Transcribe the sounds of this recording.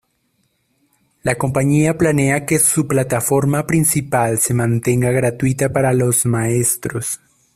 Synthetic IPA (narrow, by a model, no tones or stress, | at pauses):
lako̞mpaɲiaplane̞ake̞suplat̪afo̞ɾmapɾinsipalse̞mãnt̪e̞ŋɡaɣɾat̪wit̪apaɾalo̞zmae̞st̪ɾo̞s